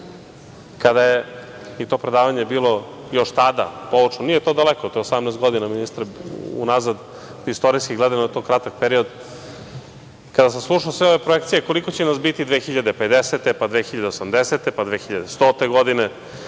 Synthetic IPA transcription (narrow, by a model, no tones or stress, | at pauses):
kad̪aje | it̪o̞pɾed̪aːʋaɲebiːlo̞ | jo̞ʃt̪ad̪a̰poʋot͡ʂnonijet̪o̞d̪alekot̪oeosamnɛːst̪ɡod̪inaminist̪ɾeṵnazad̪ | ist̪o̞ɾijskiɡled̪anoet̪oːkɾat̪ak̚peɾio̞d̪ | kad̪asamslˠuʃaosʋeoʋepɾojekt̪sijeko̞likot͡ɕenasbit̪id̪ʋeːxiʎad̪e̞ped̪eset̪epad̪ʋexiʎad̪eosamd̪eset̪epad̪ʋeːxiʎad̪est̪oːt̪eɡod̪ine